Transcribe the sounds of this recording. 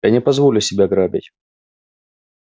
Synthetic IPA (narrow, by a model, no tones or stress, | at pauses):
anʲɪpɐzvolʲʊsʲɪbʲaɡɾabʲɪ̰tʲ